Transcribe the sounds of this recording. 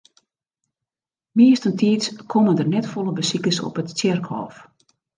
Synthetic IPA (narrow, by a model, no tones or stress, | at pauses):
miəstəntʰiətkʰɔməndərnɛtfɔlˠəbəsikəsɔ̰pətsjɛrkhɔ̰ːf